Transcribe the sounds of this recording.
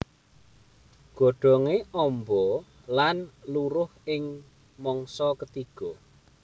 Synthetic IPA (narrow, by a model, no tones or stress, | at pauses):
ɡ̥ɔ̤ɖ̥ɔ̤ŋeʔɔmbɔ | lanluɾʊhɪŋ | mɔŋsɔkət̪iɡ̥ɔ